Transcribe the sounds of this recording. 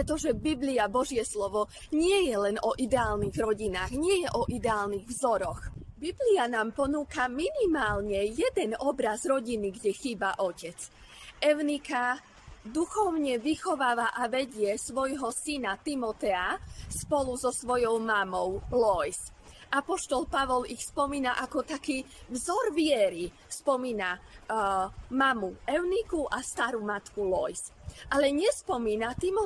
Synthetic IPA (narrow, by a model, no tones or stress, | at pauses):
pɾɛt̪ɔʒɛbibliabɔʒɪɛslɔʋɔ | ɲɪɛjɛlɛnɔʔid̪ɛaːlniɣɾɔɟinaːɣɲɪɛjɛʔɔʔid̪ɛaːlniɣvzɔɾɔxbiblianaːmpɔnuːkaminimaːlɲɛjɛd̪ɛnɔbɾazɾɔɟiniɡɟɛxiːbaʔɔcɛt͡s | ɛʊnika | d̪uxɔʊɲɛʋixɔʋaːʋaʔaʋɛɟɪɛsʋɔjɦɔsinat̪imɔt̪ɛaspɔluzɔsʋɔjɔʊmamɔʊlɔjs | ʔapɔʃt̪ɔlpaʋɔlixspɔmiːnaʔakɔt̪akiː | vzɔɾʋɪɛɾi | spɔmiːna | mamuɛʊnikuʔast̪aɾumat̪kulɔjsʔalɛɲɛspɔmiːnat̪imɔ